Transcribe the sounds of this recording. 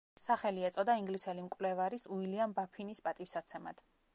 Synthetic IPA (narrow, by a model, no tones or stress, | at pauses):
saχɛliɛt̪sʼɔd̪aiŋɡlisɛlimkʼvlɛvaɾisuiliambapʰinispʼat̪ʼifsat̪sʰɛma̰d̪̥